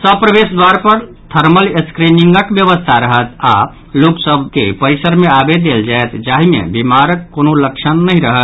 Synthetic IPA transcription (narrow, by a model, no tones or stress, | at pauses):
səb̚pɾəbesd̪waɾpəɾ | t̪ʰəɾməleskɾiniŋɡəkbjəβəst̪ʰaɾəɦət̪ʰa̰ | loksəbkepəɾisəɾmeabed̪eld͡ʒaet̪d͡ʒaɦimḛbimaɾəkːonoləkt͡ʃʰənːəɦĩɾəɦət̪